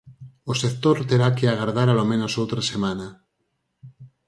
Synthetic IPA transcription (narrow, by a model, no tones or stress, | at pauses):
osekt̪oɾt̪eɾakeaɣaɾðaɾalomẽnosowt̪ɾasemana